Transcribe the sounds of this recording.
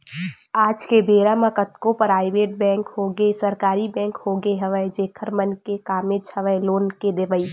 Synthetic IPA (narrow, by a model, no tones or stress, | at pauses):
aːd͡ʒkebeːɾamãkət̪kõpəɾaːɪʋeːʈ̚bɛ̃ːŋkɦoɡesəɾkaːɾibɛ̃ːŋkhoɡeɦəʋəed͡ʒeːkʰəɾmənkekaːmet͡ʃhəʋəeloːnked̪eʋəi